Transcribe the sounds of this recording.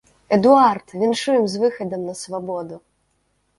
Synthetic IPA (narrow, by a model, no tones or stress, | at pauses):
ɛd̪uart̪vʲɛnʂujɛmzvɨxɐd̪ɐmnɐsvabɔd̪u